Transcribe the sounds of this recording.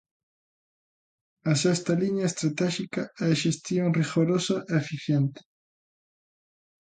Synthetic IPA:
ɐsɛst̪ɐliɲɐest̪ɾat̪ɛʃikɐɛʃest̪joŋriɣoɾosɐʔɛefiθjɛnt̪ɪ̥

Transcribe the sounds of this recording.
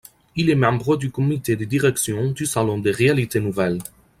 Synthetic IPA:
ilɛmɑ̃bʁəd̪ykɔmit̪ed̪əd̪iʁɛksjɔ̃d̪ysalɔ̃d̪eʁealit̪enuvɛl

